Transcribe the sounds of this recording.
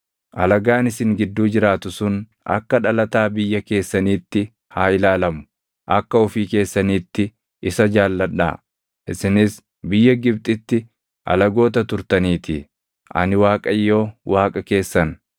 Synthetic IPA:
ʔɐlɐɡaːnɪsɪŋɡɪd̪ːuːd͡ʒɪɾaːt̪ʊsʊn | ʔɐ̰kːɐᶑɐlɐt̪aːbɪjːɐke̞ːsːɐniːt̪ːɪ | haːɪlaːlɐmʊ̥ | ʔɐkːɐʊfiːke̞ːsːɐniːt̪ːɪ | ɪsɐd͡ʒaːlːɐᶑa̰ː | ʔɪsɪnɪs | bɪjːɐɡɪbt̪ʼɪt̪ːɪ | ʔɐ̰lɐɡo̞ːt̪ɐt̪ʊɾt̪ɐniːt̪ɪ̰ | ʔɐ̰nɪwaːkʼɐjːo̞ːwaːkʼɐke̞ːsːɐn

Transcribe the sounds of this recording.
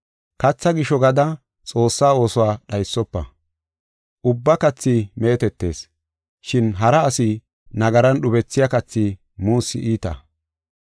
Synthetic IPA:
kɐt͡sːɐɡɪʃɔɡɐd̪ɐ | t͡sʼo̞ːsːaːo̞ːsɔwaːɗɐjsːɔpːɐ̰ | ʔʊbːɐkɐt͡sːime̞ːt̪ɛt̪ːe̞ːs | ʃɪnɦɐɾɐːsɪ | nɐɡɐɾɐnɗʊbɛt͡sːɪjakɐt͡sːi | muːsːɪʔiːt̪ɐ̰

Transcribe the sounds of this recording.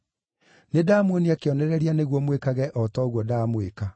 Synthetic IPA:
nedamwoniakeɔnɛɾɛɾianeɣwɔmwekaɣɛʔɔtɔɣwɔdamweka

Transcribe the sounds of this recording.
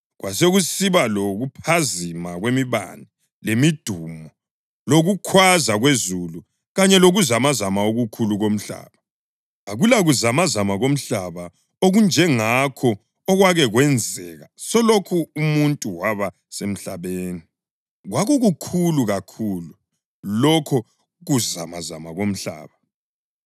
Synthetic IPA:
ɣwʔaseɣusiβaloɣupʰazimaɣwemiβa̰ni | lemid̥ʱuːmɔ | loɣukʰwazaɣwezulu | ɣaɲɛloɣuzamazamaoɣukʰuluɣom̩ɬa̰ːβa | aɣulaɣuzamazamaɣom̩ɬaβa | oɣund͡ʒʱɛŋakʰɔ | ɔɣwaɣɛɣwɛnd͡zʱɛɣasɔlokʰuːmuntʼuwaβa | sem̩ɬaβeːni | ɣwaɣuɣukʰuluɣakʰulu | lɔkʰɔ | ɣuza̰maza̰maɣom̩ɬa̰ːβa

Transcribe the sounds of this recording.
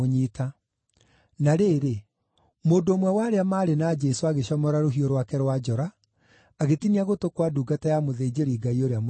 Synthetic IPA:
oɲiːta | naɾeːɾe | moːndoːmwɛwaɾeamaːɾenad͡ʒɛsoaɣeɕɔmɔɾaɾoɦioɾwakɛɾwad͡ʒɔɾaː | ɣetiniaɣotokwaduːɡatajamoðed͡ʒeɾiːɡaioɾeam

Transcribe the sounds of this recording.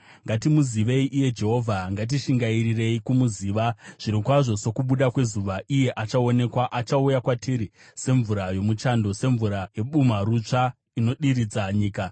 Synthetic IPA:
ŋɡatimuziʋe̞iʔije̞d͡ʒe̞ɦo̞ːvʱaŋɡat̬iʃiŋɡairire̞ikumuziːʋaʐ̥iɾikwaʐo̞so̞kuɓuɗakwe̞zuʋaʔije̞ʔat͡ʃao̞ne̞kwaʔat͡ʃaujakwatʰiɾi | se̞ɱvuɾajo̞mut͡ʃando̞se̞ɱvuɾaje̞ɓumaɾut͡ʂa | ino̞ɗiɾid͡zaɲiːka

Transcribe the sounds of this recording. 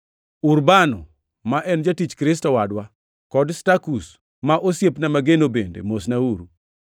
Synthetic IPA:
uɾbanɔ | maʔɛnd͡ʒatit͡ʃkɾɪs̬tɔwadwa | kɔdstakus | maʔosjepnamaɡenobendḛmosnauɾu

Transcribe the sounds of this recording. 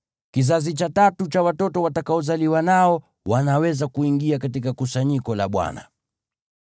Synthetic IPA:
kizazit͡ʃatatut͡ʃawatɔtɔwatakaɔzaliwanaɔ | wanawɛzakuiŋɡiakatikakusaɲikɔlaɓwa̰na̰

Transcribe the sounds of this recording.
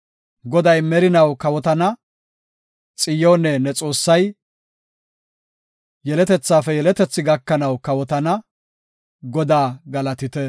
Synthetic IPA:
ɡɔd̪ɐjmɛɾɪnɐwkɐwɔt̪ɐnɐ | t͡sʼɪjoːnɛnɛt͡sʼo̞ːsːɐj | jɛlɛt̪ɛt͡sːaːfɛjɛlɛt̪ɛt͡sːɪɡɐkːɐnɐwkɐwɔt̪ɐnɐ | ɡɔd̪aːɡɐlɐt̪ɪt̪ɛ

